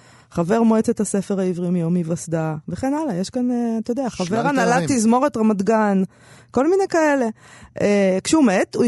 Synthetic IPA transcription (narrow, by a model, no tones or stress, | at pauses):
χave̞ʁmoet͡set̪hase̞feʁaivʁiomjomivasd̪aveχe̞nalajeʃkaneat̪ojod̪eaχaveʁanalat̪izmo̞ʁet̪ʁamad̪ɡan | ko̞lminejkae̞le̞ | kʃeume̞t̪u